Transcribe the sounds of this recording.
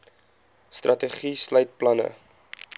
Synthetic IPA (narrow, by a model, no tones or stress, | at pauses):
strʔɐtəχisləjt̚plɐnə̰